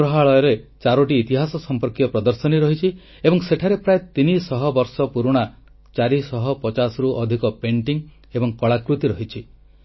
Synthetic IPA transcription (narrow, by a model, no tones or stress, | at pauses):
ɾɔɦaɭɔjɔɾet͡ʃaɾɔʈ̬iːt̪iɦasɔsɔmpɔɾkitɔpɾɔd̪ɔɾsɔniɾɔɦit͡ʃʰi | ebɔŋseʈʰaɾepɾaet̪inisɔɦɔbɔɾsɔpuɾuɽ̃a | t͡ʃaɾisɔɦɔpɔt͡ʃasɔɾuʔɔd̪ʱikɔpeɳʈiŋ | ebɔŋkɔɭakɾut̪iɾɔɦit͡ʃʰi